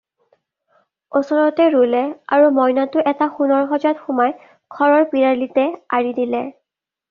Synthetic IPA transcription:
osɔɹɔtɛɹulɛa̰ɹumɔjnatʊʔɛtaxunɔɹxɔzatxʊmaj | ɡ̥ʰʱɔɹɔɹpiɹalitɛaɹidilɛ

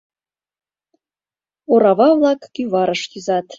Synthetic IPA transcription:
oɾɑvɑvlˠɑkɡ̥ʲyvɑɾəʃtizɑt̪

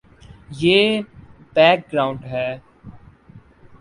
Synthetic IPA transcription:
jeːb̥ɛːk̚ɡɾaːʊ̃ɳɖɦɛː

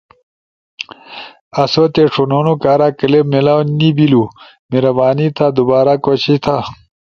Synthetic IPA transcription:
ɐsot̪eʂononokaːɾakəlemelawnibilu | meɾɐbaːnit̪ʰad̪ubaːɾakot͡ɕit̪ʰa

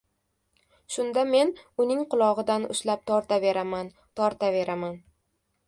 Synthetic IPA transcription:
ʃʊnd̪ame̞nʊnɪŋqʊlˠɒʁɨd̪anʊ̰ʃlap̚t̪ʰɒɾt̪ave̞ɾaman | t̪ʰɒɾt̪ave̞ɾaman

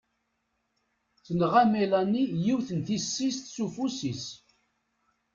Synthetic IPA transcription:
θənʁæmelænːijiwθənθisːist̪sufusis

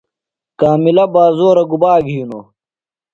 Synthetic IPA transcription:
kaːmilɐbaːzoːɾɐɡubaːɡʱijuno̰

